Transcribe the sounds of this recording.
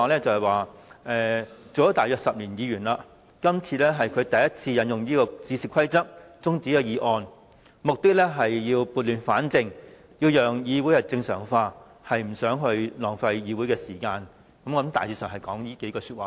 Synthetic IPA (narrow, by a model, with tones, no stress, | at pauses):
lɛː˥t͡sɐ˨˧hɐ˨jwaː˨ʔɛː˧t͡so˨wjɔ˥t̪aː˨jœː˧ksɐ˨p̚liː˨˩njiː˨˧jyː˨˩nla˨˧ | kɐ˥mt͡sʰiː˧lɛː˥ɦɐ˨jkʰɵ˨˧t̪ɐ˨jɐ˥t̚t͡sʰiː˧jɐ˨˧˥njʊ˨ŋjiː˥kɔː˧t͡siː˨˧siː˨kʰɐ˥jt͡sɐ˥k̚t͡sʊ˥ŋt͡siː˨˥jɐ˨˧wjiː˨˧ʔɔː˧n | mʊ˨k̚t̪ɪ˥k̚lɛː˥ɦɐ˨jːiː˧wpuː˨t̚lyː˨˩nfaː˨˥nt͡sɪ˨˧ŋ | jiː˧wjœː˨ŋjiː˨˧wu˨˥jɐ˨˩t͡sɪ˧ŋsœː˨˩ŋfaː˧ | hɐ˨jm̩˨˩sœː˨˥ŋɦɵ˧ɥlɔː˨˩ŋfɐ˧jjiː˨˧wuː˨˥jkɛː˧siː˨˩kaː˧n | kɐ˨˦mɔː˧˥mt̪a̰ː˨jt͡sʰiː˧sœː˨˩ŋhɐ˨˩jkɔː˨˥ŋjiː˥ke˨˥jkɔː˧syː˧t̚waː˨